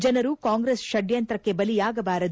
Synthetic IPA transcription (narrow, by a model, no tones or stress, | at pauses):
d͡ʒɐnɐɾukaːŋɡɾesʃɐɖjɐnt̪ɾɐkːe̞bɐlijaːɡɐbaːɾɐd̪